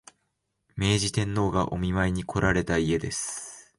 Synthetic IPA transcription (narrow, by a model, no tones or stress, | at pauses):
me̞ːʑit̪ẽ̞nːo̞ːɡaʔo̞̰mʲimaiɲ̟ikʰo̞ɾaɾe̞t̪aie̞d̪e̞sɨ̥